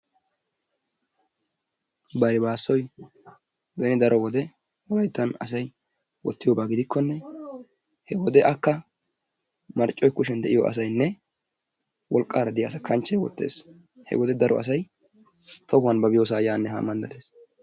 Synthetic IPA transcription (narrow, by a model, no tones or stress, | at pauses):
bɐɾɪbaːsːɔj | bɛnɪd̪ɐɾɔwɔd̪ɛ | wɔlɐjt̪ːɐnɐs̬ɐj | wɔt̪ːɪjoːbaːɡɪd̪ɪkːɔnːɛ | hɛwɔd̪ɛʔɐkːɐ | mɐɾt͡ʃʼːɔjkʊʃɛnd̪ɛʔɪjɔ̰ʔɐ̰s̬ɐjnːɛ | wɔlkʼːaːɾɐd̪ɪjasɐkʰɐnt͡ʃːɛjwɔ̰t̪ːḛːs | hɛ̰wɔd̪ɛd̪ɐɾɔʔɐ̰s̬ɐj | t̪ɔhʊwɐnbɐbɪjoːs̬aːjaːnːɛɦa̰ːmːɐnd̪ɐdeːs